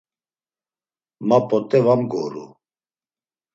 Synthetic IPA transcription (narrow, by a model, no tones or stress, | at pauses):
mapʼɔt̪ʼɛvamɡɔ̰ɾṵ